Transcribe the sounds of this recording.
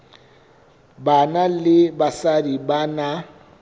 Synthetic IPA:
banalɪbasadibana

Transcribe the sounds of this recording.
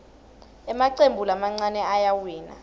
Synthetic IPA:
ɛmaǀembʱulamaŋ͡ǀanɛajawiːna̰

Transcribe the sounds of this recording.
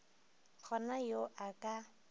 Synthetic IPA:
k͡xʰɔnajoʔakʼa

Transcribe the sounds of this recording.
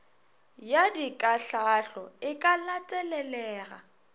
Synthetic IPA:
jadikʼaɬaɬɔɪkʼalatʼɛlɛlɛːɣa̰

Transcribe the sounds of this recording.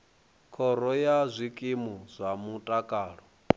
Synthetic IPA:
kʰɔɾɔjazʷikʼimuzʷamutʼakʼaːɺɔ

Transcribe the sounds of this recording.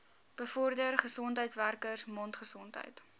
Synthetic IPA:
b̥əfɔrdərχəsɔntɦəjtsværkərsmɔntχəsɔntɦə̰jt

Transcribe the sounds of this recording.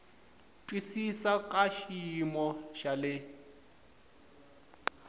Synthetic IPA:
tʼwisisakʼaʃimɔʃalɪ

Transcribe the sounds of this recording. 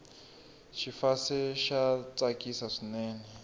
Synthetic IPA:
ʃifasɛʃat͡sʼakʼisaʂinɛːnɛ

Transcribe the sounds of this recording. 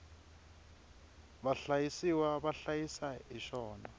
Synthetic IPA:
βaɬajisiwaβaɬajisaiʃɔːna

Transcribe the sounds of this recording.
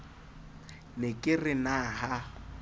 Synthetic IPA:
nɪkʼɪrɪnaɦa

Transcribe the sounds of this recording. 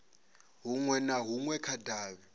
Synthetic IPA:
ɦuŋwɛnaɦuŋwɛkʰadʱaːβi

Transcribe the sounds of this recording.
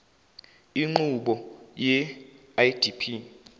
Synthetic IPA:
iŋ͡ǃuɓɔjɛ | ajd̥ipʰi

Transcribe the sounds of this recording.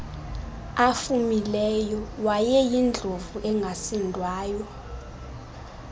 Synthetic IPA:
afumilɛjɔwajɛjind͡ɮʱovuʔɛŋɡʱasindʱwaːjɔ

